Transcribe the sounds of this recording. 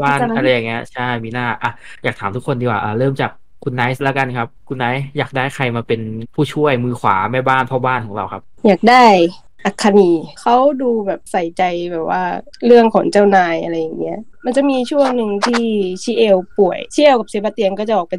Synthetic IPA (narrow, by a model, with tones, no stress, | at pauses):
baː˥˩na˧ɾa˧jːaː˨˩ŋːi˦˥ɐ˧t͡ɕʰa˥˩jmiː˧naː˥˩ʔa˧˩jaː˨˩k̚t̪ʰaː˩˦t̪ʰu˦˥kʰːo˧ndiː˧waː˧˩ʔaː˨˩ɾɤː˥˩mt͡ɕaː˨˩kʰːu˧nːaː˦˥jslɛ˦˥ka˧nkʰa˦˥p̚kʰu˧nːaː˦˥jjaː˨˩k̚daː˥˩jkʰa˧jmaː˧pe˧npʰuː˥˩t͡ɕʰu˥˩əjmɯː˧kʰwa̰ː˩˦maː˥˩baː˥˩npʰɔː˥˩baː˥˩nkʰɔː˩˦ŋɾa˧wkʰa˦˥p̚jaː˨˩k̚daː˥˩j | ʔa˨kʰːa˧niː˧kʰa˦˥wduː˧bɛː˨˩p̚sa˨˩jt͡ɕa˧jbɛː˨˩p̚waː˥˩ɾɯ˥˩əŋkʰɔː˨˩˦ŋt͡ɕa˥˩wnaː˧jʔa˧ɾa˧jːa˨˩ŋni˦˥ɐʔma˧nt͡ɕa˨˩ʔ̚miː˧t͡ɕʰu˥˩əŋnɯ˧ŋt̪ʰiː˥˩˥t͡ɕʰiː˦˥ʔeː˧wpu˨˩əjt͡ɕʰi˦˥˩eː˧˩wka˨˩psi˨˦ba˧t̪i˧ənkɔː˥˩t͡ɕa˨˩ʔɔː˨˩kpa˧